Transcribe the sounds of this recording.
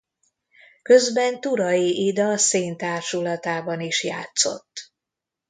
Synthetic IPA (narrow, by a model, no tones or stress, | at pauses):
kø̞zbɛnt̪uɾɒjiʔid̪ɒseːnt̪aːrʃulɒt̪aːbɒniʃjaːt̪so̞̰t̪ː